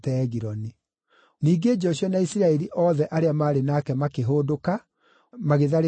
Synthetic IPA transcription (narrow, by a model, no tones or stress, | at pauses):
tɛːɣiɾɔni | niːɡed͡ʒɔɕjɔnaisiɾaɛɾiʔɔːðɛʔaɾeamaːɾenaːkɛmakeɦoːdoka | maɣeðaɾe